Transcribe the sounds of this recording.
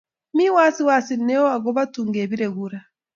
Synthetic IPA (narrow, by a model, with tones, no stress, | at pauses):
mi˦waː˦si˦wa˨si˨nɛ˦ɔ˦a˨ɣɔβa˦tuːŋɡeːβiɾeɣuɾa